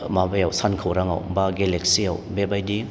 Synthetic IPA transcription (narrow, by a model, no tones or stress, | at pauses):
mabajawsankʰawɾaŋa̰wbaɡelek̚sia̰wbebajdi